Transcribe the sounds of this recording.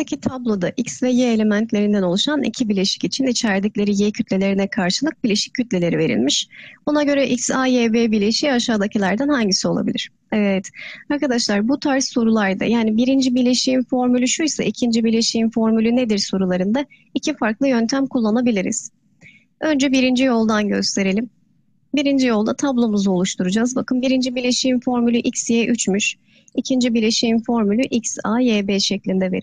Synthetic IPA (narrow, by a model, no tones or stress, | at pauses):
pecʰit̪ʰablˠo̞d̪aʔicsvɛjeelʲe̞mænt̪lʲe̞ɾind̪æno̞lˠuʃanḭcʰibiɾlʲeʃi̥cit͡ʃʰinit͡ʃʰæɾd̪iclʲe̞ɾijecʰyt̪lʲe̞lʲe̞ɾinɛkʰaɾʃɯlˠɯk̚biɾlʲe̞ʃi̥cʰːyt̪lʲe̞lʲe̞ɾive̞ɾḭlʲmiʃbunaɟø̞ɾɛʔiksajebebiɾlʲe̞ʃiːaʃaːd̪acʰilʲæɾd̪ænhaɲɟisio̞lˠa̰bḭlʲḭɾ̥ | ɛvɛt̪aɾkad̪aʃlˠaɾbut̪ʰaɾsːo̞ɾulˠaɾd̪a̰jaːnibiɾind͡ʒibiɾlʲe̞ʃijinfo̞ɾmylʲyʃujsa̰ʔicʰind͡ʒibiɾlʲe̞ʃijinfo̞ɾmylʲyned̪iɾso̞ɾulˠaɾɯnd̪a | icʰifaɾklˠɯjø̞nt̪ʰæmkulˠːanabilʲiɾḭz̥ | ø̞nd͡ʒɛbiɾind͡ʒijo̞lˠd̪anɟø̞st̪ʰe̞ɾe̞lʲim | biɾind͡ʒijo̞lˠd̪at̪ʰablˠo̞muzuo̞lˠuʃt̪ʰuɾud͡ʒazbakʰɯnbiɾind͡ʒibilʲeʃijinfo̞ɾmylʲyʔicsjeːʔyt͡ʃmyʃ | icʰind͡ʒibilʲeʃijinfo̞ɾmylʲyʔicsajeːbɛːʃɛclʲind̪ɛve̞̰ɾi